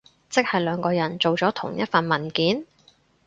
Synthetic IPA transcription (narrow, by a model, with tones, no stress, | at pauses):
t͡sɪ˥k̚hɐ˨jlœː˨˧ŋkɔː˧jɐ˨˩nt͡ʃt͡so˨wt͡sɔː˨˥t̪ʰʊ̰˨˩ŋjɐ˥t̚fɐ˨nmɐ˨˩nkiː˨˥n